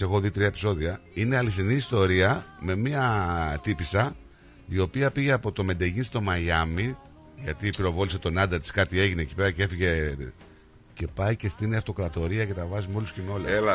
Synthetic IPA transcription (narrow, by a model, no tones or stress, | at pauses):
sexo̞ðit̪ɾiɐepi̥so̞ðiɐine̞ɐliθiniːst̪o̞ɾiɐme̞miɐt̪ipisɐ | io̞piɐpiʝe̞ɐpo̞t̪o̞me̞d̪eʝinst̪o̞mɐjɐmi | ʝɐt̪ipiɾo̞vo̞lise̞t̪o̞nɐd̪ɐɾt̪i̥skɐt̪ie̞ʝine̞ːci̥pe̞ɾɐce̞fiʝe̞ | ce̞pɐjce̞st̪iniɐft̪o̞kɾɐt̪o̞ɾiɐce̞t̪ɐvɐzumeo̞luscemo̞leel